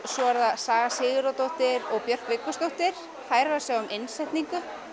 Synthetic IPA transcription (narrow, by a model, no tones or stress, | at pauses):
sɔvaɾðasaːɣasɪːɣʏɾowt̪owht̪ɪɾɔɣpjœr̥k̪vɪːkːʏst̪owht̪ɪɾ̥ | faːjɾasɛɣɔmʔɪnsɛjht̪niŋkʏ